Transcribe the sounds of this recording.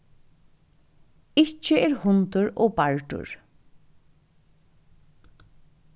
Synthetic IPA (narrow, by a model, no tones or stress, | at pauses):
ɪt͡ʃəeːɹhʊnt̪ʊɹoːbaɹʈʊ̰ɹ